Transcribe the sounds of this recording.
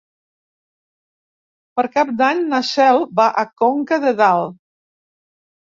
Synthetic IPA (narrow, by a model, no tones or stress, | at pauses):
pəɾkap̚d̪aɲnasɛlˠbaʔəkoŋkəðəðalˠ